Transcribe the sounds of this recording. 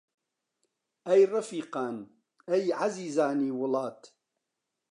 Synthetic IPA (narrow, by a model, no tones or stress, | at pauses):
ʔajɾˤɑfiːqɑːn | ʔajʕaziːzaːniːwʊlɑːt̪